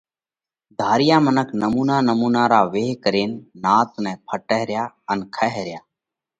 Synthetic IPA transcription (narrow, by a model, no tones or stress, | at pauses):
d̪ʱaːɾɪjaːmənəkʰnəmuːnaːnəmuːnaːɾaːʋeːɦkəɾeːnːaːt̪nɛ̃ːpʰəʈəɦɾjaː | ənkʰəɦɾɪjaː